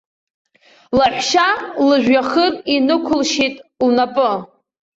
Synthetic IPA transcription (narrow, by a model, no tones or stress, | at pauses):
laħʷʃalɨʒᶣaχərinɨkʷʰʊlʃitʼlnapʼɨ